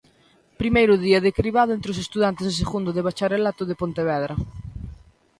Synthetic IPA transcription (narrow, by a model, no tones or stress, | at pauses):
pɾimejɾʊðiɐðekɾiβaðoʊent̪ɾeos̬est̪uðant̪eses̬eɣund̪ʊðeβ̞at͡ʃaɾelat̪ʊðepont̪eβ̞ɛðɾɐ